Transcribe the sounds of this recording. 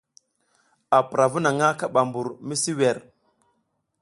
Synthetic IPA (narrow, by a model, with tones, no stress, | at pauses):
a˨pɾa˨vu˦na˨ŋa˦ka˦ɓa˨mbu˨ɾmi˦si˦wɛ˨ɾ